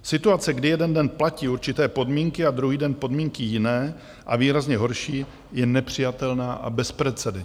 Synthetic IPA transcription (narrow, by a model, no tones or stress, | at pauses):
sɪt̪uat͡sɛɡdɪjɛdɛndɛnplaciːuɾt͡ʃɪt̪ɛːpo̞dmiːŋkɪad̪ɾuɦiːdɛnpo̞dmiːŋkɪjɪnɛː | ʔaviːɾazɲɛɦo̞ɾʃiː | jɛnɛpr̝̥ɪjat̪ɛlnaːʔa̰bɛspɾɛt̪t͡sɛdɛ